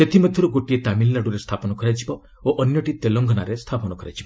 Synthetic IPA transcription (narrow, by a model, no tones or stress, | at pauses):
set̪ʰimɔd̪ʱjɔɾuɡoʈiet̪amilːaɽuɾest̪ʰapɔnɔkɔɾad͡ʒibɔ | oʔɔnjɔʈit̪eloŋɡʱɔnaɾest̪ʰapɔnɔkɔɾad͡ʒibɔ